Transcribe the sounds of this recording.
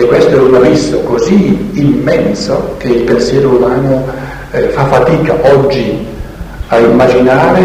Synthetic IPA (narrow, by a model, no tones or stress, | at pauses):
kːwest̪oɛunavisokoziːmːɛnsokeilpensjɛːɾoumaːno | fafat̪iːka̰ʔɔd͡ʒːi | aimːad͡ʒinaːɾe